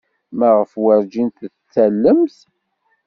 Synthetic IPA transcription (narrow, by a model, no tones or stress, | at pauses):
mæʁəfwəɾd͡ʒint̪t͡sːælːəmθ